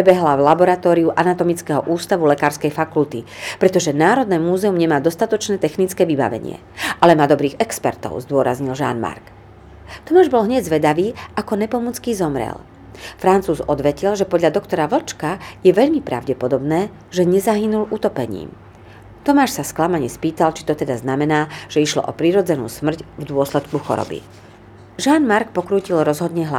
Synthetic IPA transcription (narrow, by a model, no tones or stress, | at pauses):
pɾɛbɛɦlavlabɔɾat̪ɔːɾiuʔanat̪ɔmit͡skɛɦɔʔuːst̪aʋulɛkaːɾskɛjfakult̪ipɾɛt̪ɔʒɛnaːɾɔd̪nɛːmuːzɛumɲɛmaːd̪ɔst̪at̪ɔt͡ʃnɛːt̪ɛxnit͡skɛːʋiba̰ʋɛ̰ɲɪɛ̰ | ʔalɛmaːd̪ɔbɾiːɣɛkspɛɾt̪ɔ̰ʊzd̪ʊɔɾa̰zɲilʒa̰ːnma̰ɾk | t̪ɔmaːʒbɔlɦɲɛɟzʋɛd̪aʋiːʔakɔnɛpɔmut͡skiːzɔmɾɛ̰l | fɾant͡suːzɔd̪ʋɛcilʒɛpɔd̪ʎad̪ɔkt̪ɔɾaʋl̩t͡ʃkajɛʋɛʎmipɾa̰ʊɟɛpɔd̪ɔbnɛː | ʒɛɲɛzaɦinulʔut̪ɔpɛɲḭːm | t̪ɔmaːʃsasklamaɲɛspiːt̪alt͡ʃi̥t̪ɔt̪ɛd̪aznamɛnaːʒ̥ɛiʃlɔ̰ʔɔpɾiɾɔd͡zɛnṵːsmr̩cvd̪ʊɔslɛt̪kuxɔ̰ɾɔ̰bḭ | ʒaːnmaɾkpɔkɾuːcilɾɔzɦɔd̪ɲɛɦla